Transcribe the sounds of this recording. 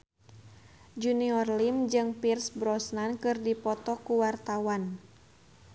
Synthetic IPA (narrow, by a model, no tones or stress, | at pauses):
d͡ʒuniɔrlimd͡ʒɨŋpirsbɾɔsnankɨrdipɔt̪ɔkuwart̪awan